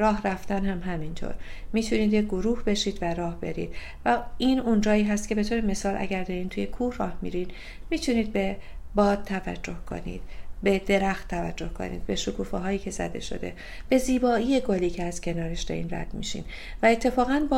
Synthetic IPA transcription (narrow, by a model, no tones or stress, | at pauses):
ɾɒːɦræft̪ænɦæmɦæmint̪ʰo̰ɾmiːt̪ʰuniːd̪jeɡoɾuːhbe̞ʃiːd̪væɾɒːhbe̞ɾḭd̪̥ | væiːnund͡ʒɒːiːɦæst̪ce̞be̞t̪ʰoːɾe̞me̞sɒːlʔæ̰ɟæɾd̪eɾiːnt̪ʰuːjekʰuːhrɒ̰ːhmḭɾin | miːt̪ʰuniːd̪̚be̞bɒːd̪̥̚t̪ʰævæ̰d͡ʒːo̞hkʰo̞̰nḭːd̪̥be̞d̪e̞ɾæxt̪t̪ʰːævæd͡ʒːo̞hkʰo̞̰nḭːd̪̚be̞ʃokʰuːfeɦɒːjiːcʰe̞zæ̰d̪ḛʃo̞̰d̪e̞̰ | b̥e̞ziːbɒːijeɡoliːcʰeæz̥cʰe̞nɒːɾeʃd̪æ̰ɾḭnræ̰d̪̥mḭʃḭːn | væe̞t̪ʰːe̞fɒːɣænbː